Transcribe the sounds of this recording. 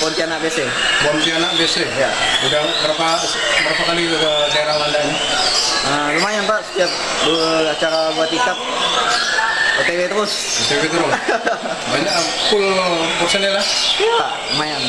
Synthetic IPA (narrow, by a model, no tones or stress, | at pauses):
bɔnt̪ianaʔbese | bɔnt̪ianaʔbesejaudahkəɾapa | pəɾapakalikədaiɾalandani | əlumajaŋpaʔsə̥t̪iap̚ | duat͡ʃaɾabuat̪ikat̪̚ | ot̪ewet̪əɾʊs | ot̪ewet̪əɾʊs | baɲakkulpərsənɛlahpaʔ | umajaŋ